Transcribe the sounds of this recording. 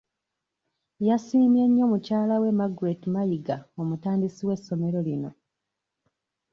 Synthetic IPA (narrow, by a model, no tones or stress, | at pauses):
jasiːmje̞ɲːo̞mucaːlawe̞maɡwetimajiɡao̞mutaːndisiwe̞sːo̞me̞ɾo̞lino̞